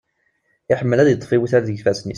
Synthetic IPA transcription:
ɪħəmːəlæðjət̪ˤːfiwiθæɾðəɡfæsni

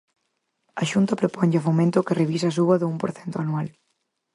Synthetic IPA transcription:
ɐʃunt̪ɐpɾopɔɲʎɪafomẽnt̪ʊkɪreβis̬ɐaːsuβɐðʊumpoɾθɛnt̪oanual

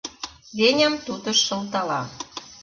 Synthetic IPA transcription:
βenʲəmt̪ut̪ə̆ʃːɤ̆lt̪ɑlɑ

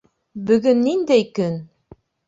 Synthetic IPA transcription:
bɵ̆ɡɵnːind̪æjkɵn

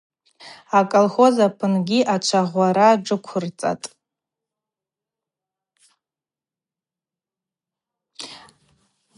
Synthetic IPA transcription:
akʼolχo̞zapʰɨnɡʲiʔat͡ʃʷʰaʁʷaɾaːʈ͡ʂɨkʷʰʊrt͡sʼa̰tʼ

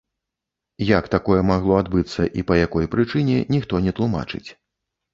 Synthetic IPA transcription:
jakt̪akɔjɛmaɣlˠɔad̪bɨt̪sːɐ̰ʔipɐjakɔjpɾɨt͡ʂɨnʲɛnʲixt̪ɔnʲɛt̪lˠuma̰t͡ʂɨ̰t͡sʲ

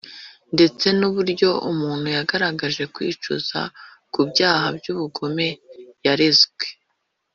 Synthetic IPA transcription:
nde̞t͡se̞nuβuɾɟo̞ʔumuːn̥hujaɡaɾaɡaʒe̞kwḭːt͡ʃṵz̥a̰ | kubɟaːɦabɟuβuɡo̞me̞jaɾezɡwe̞

